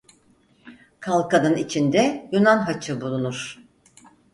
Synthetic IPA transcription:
kʰalˠkanɯnit͡ʃʰind̪ɛjunanɦat͡ʃʰɯbulˠunuɾ̥

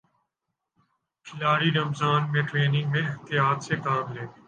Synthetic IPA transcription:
pʰɪlaːɾiːɾəmzaːnmẽːʈɾeːnɪ̃ŋɡmẽɪɦt̪ɪjaːt̪sekaːmleː

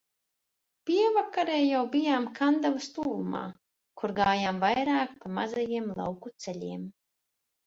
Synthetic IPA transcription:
pʲiɛvakaɾɛːjawbijaːmkʰand̪avast̪uːluma̰ː | kuɾɡaːjaːmvajɾaːkpamazajiɛmlˠa̰wkut̪sɛlʲiɛm

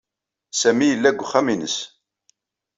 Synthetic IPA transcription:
sæmijəlːæɡʷːχæminə̰s

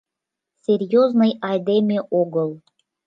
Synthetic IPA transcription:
sʲerʲjoznɤjɑjd̪emʲeʔoɡɤlˠ

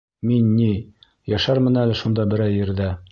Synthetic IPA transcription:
minːi | jæʃæɾmɘ̆nælɘʃund̪ɑbɘ̆ɾæjːɘ̆ɾðæ

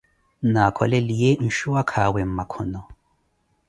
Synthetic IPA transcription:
naːkʰɔlɛlijen̩ʃuwakʰawɛm̩makʰɔnɔ

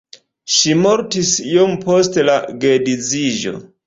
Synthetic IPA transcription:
ʃimoɾtisijompostelaɡedid͡ziʒo̞̰

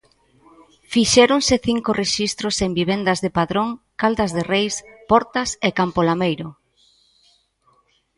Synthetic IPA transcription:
fiʃɛɾoŋsɪθiŋkoreʃist̪ɾosembiβ̞end̪ɐzðepaðɾoŋkald̪ɐzðerejspɔɾt̪ɐsekampolamejɾʊ

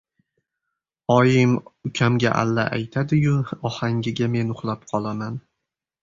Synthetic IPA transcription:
ɒjɪmʊkʲʰamɡʲaʔa̰lːa̰ʔa̰jt̪ʰad̪ɪjʊɒhaŋɡʲɪɡʲame̞nʊχlˠap̚qʰɒlˠaman

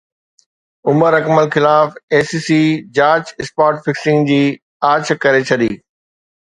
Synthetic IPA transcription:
ʊməɾɐkməlxɪlaːfeːsiːsiːd͡ʑaːt͡ɕɪspaːɾʈfɪksɪ̃ŋɡd͡ʑiː | aːt͡ɕʰkɐɾet͡ɕʰɐɗiː

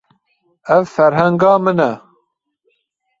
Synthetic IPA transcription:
ɛvfɛɾɦɛŋɡɑːmɨnɛ

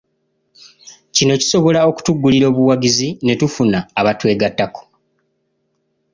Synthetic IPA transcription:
cino̞ci̥so̞βo̞lao̞ku̥tuɡːuliɾo̞ːβuwaɡizine̞tufunaːβatwe̞ːɡatːako̥

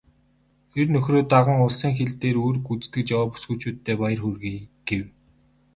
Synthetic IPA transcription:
xernɵxroːt̪aʁə̆ŋʊɮsĭːŋxeɮt̪eːɾoːrɡut͡st̪ɘ̆k̚t͡ɕjawaːpu̥sɡuːt͡ɕuːt̪ʰːeːpajə̆rxurɣeːɡ̥ew

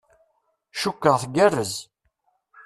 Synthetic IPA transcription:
ʃukːəʁθɡærːəz

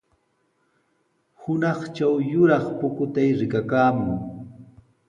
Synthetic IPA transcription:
hʊnɑχt͡ʃawjʊɾɑχpʊkʊt̪ajɾɪkakaːmʊŋ

